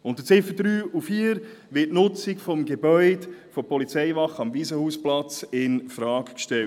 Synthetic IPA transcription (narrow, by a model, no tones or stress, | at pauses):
ʊntət͡sɪfədɾyːufiːəɾ | ʋɪtnʊt͡sɪkfɔmɡebœʏd̥fɔpʰɔlit͡sɛɪvɑχɑmviːzəhuːsplɑt͡sɪnfɾɑːkkʃtɛlt